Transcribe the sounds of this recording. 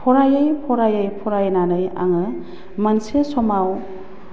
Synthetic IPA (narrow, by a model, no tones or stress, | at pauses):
pʰɔɾajəjpʰɔɾajəjpʰɔɾajnanɯja̰ŋɯ | mansesɔmaw